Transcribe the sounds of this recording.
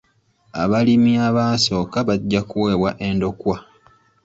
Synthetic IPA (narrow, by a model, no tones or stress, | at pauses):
a̰βalimiaβaːso̞ːkaβaɟːakuwe̞ːβwaʔe̞ndo̞kwa